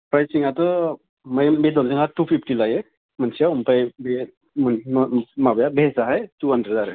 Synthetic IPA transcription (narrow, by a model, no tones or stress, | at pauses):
pɾajsiŋatɔ | majbedɔŋsiŋatupʰipʰʈilaje | mansiaumpajbe | mnmabjabʱesaɦajtuɦandɾedaɾɯ